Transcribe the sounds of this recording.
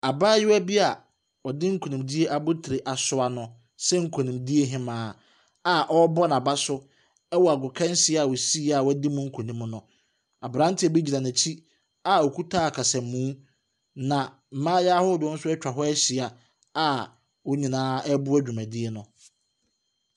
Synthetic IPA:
a˨baː˦jɪ˦æ˦bi˦a˨ | ɔ˨dɪ˦ŋ̩˦kʰu˨nĩ˨mdi˦e˦ʔa˨bʊ˦tʰɪ˨ɾɪ˨ʔa˨sʊ˦a˨nʊ̃˨ | sɛ˦ŋ̩˦kʰũ˨nĩ˨mdi˦e˦ɦɪ̃˦mãː˨˦ | a˨ʔɔ˦bɔ˦nã˨ba˦sʊ˦ | ɛ˦wɔ˨a˨ɡʊ˨kʰɛ̃˦n˦sɪ˦˨a˨wo˨si˦a˨wɔ˦dɪ˦mʊ̃˦ŋ̩˦kʰũ˨nĩ˦mnʊ̃˨ | a˨bɾã˦n˦tʰɪ˦ɛ˨be˦d͡ʑi˨nã˨nã˨t͡ɕʰi˦ | a˨ɔ˨kʰu˦tʰaː˦a˨kʰa˨sɛ˨mːũ˦ | nã˨ | m̩˨mãː˦ja˦ho˦dʊ˨ɔ˦n̩˦sʊ˦ɛ˦t͡ɕᶣa˨ɦɔ˦ɛ˦ɕɪ˨a˨ | a˦ | wɔ˦ɲĩ˨nãː˦ɛ˦bʊ˦æ˦d͡ʑᶣu˨mæ̃˨di˦e˦nʊ̃˨

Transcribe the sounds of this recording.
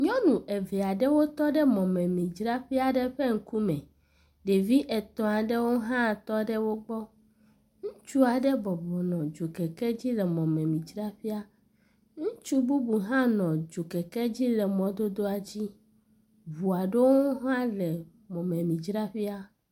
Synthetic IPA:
ɲɔ̃˦nũ˨ʔe˨ve˨a˨ɖɛ˦wo˦t̪ɔ˦ɖɛ˦mɔ̃˨mɛ̃˨mĩ˨d͡ʒɾa˦ɸi˦a˨ɖɛ˦ɸe˦ŋ̩˦ku˦mɛ̃˨ | ɖe˨vi˦ʔe˨t̪ɔ̃˨a˨ɖe˦wo˦ɦã˦˨t̪ɔ˦ɖɛ˦wo˦ɡ͡bɔ˦ | ŋũ˦t͡ʃu˦a˨ɖɛ˦bɔ˨bɔ˨nɔ̃˨d͡ʒo˨kɛ˨kɛ˦d͡ʑi˦lɛ˨mɔ̃˨mɛ̃˨mĩ˨d͡ʒɾa˦ɸi˦a˦ | ŋũ˦t͡ʃu˦bu˦bu˨ɦã˦nɔ̃˨d͡ʒo˨kɛ˨kɛ˦d͡ʑi˦lɛ˨mɔ̃˨d̪o˦d̪o˦a˨d͡ʑi˦ | βu˨a˨ɖe˦wo˦ɦã˦lɛ˨ | mɔ̃˨mẽ˨mĩ˨d͡ʒɾa˦ɸi˦a˦

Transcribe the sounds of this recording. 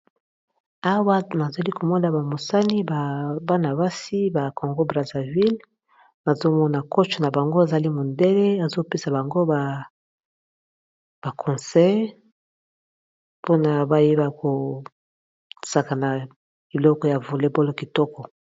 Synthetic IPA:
a˦wa˦na˨za˨li˦ko˨mɔ˦na˨ba˨mo˨sa˦ni˦ba˨ba˦na˨ba˦si˦ba˨ko˨ŋɡo˦bʁa˨za˨vi˦l | na˨zo˦mɔ˦na˨kɔ˦t͡ʃɔ˨na˨ba˨ŋɡo˦e˨za˨li˦mo˨nde˦le˦a˨zo˦pe˦sa˨ba˨ŋɡo˦ba˨ | b̥a˨kʰɔ̃˨sɛ˦ | po˦na˨ba˨je˦ba˨ko˨ | sa˨ka˨na˨ | i˨lɔ˦kɔ˨ja˨vu˨le˦bo˦lo˦ki˨tɔ˦kɔ˨

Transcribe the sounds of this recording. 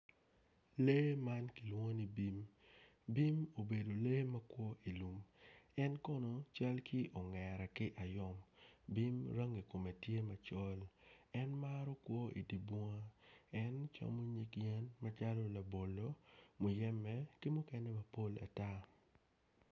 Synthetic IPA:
le˦ma˦nki˨lwo˦ni˦bi˦m | bi˦mo˨be˨do˨le˦mɐ˦kwɔ˦ʔi˨lu˨mɛ˦nkɔ˦nɔ˨t͡ʃa˦lkʰi˦ʔo˨ŋɛ˨ɾɛ˨kɪ˦ʔa˨jɔ˦mbi˦mɾa˦ŋi˨ko˨me˨tje˦mɐ˨t͡ʃɔ˦lɛ˦nmaɾo˦kwɔ˦ḭ˨di˨bɔ˦ŋa˦ɛ˦nt͡ʃa̰˦mo˦ɲi˦kjɛ˦nma˦t͡ʃa˦lo˦la˨bo˨lo˦mu˨jɛ˦mɛ˦kɪ˦mʊ˦kɛ˦nɛ˦mɐ˨po˦la̰˨ta˦

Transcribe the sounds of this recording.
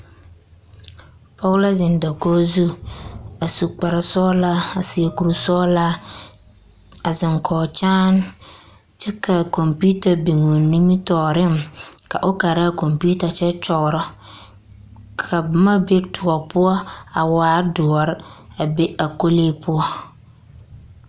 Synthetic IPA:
pɔ˦la˦zɪ˨n˦dɔ˨kɔː˦zu˦ | a˨su˨k͡pa˨ɾa˨sɔ˦la˦a˨sɪ˨a˨ku˨ɾu˨sɔ˦la˦ | a˨zɪ˨ŋkʰɔː˨t͡ʃaː˦n | t͡ʃɛ˦ka˨ko˨mpi˦ta˨bi˨ŋu˨ni˦mi˦tɔː˨ɾɪ˦mka̰˨ʔʊ˦ka˨ɾa˦˨ko˨mpi˦ta˨t͡ʃɛ˦t͡ʃɔ˨ɣɾɔ˦ | kʰa˨ma˦be˦tʰʊ˨ɡɔ˨pʊ˦ɔ˦a˨waː˨˦dʊ˨ɔ˨ɾɪ˦a˨be˦a˨ko˦leː˦pʊ˦ɔ˦

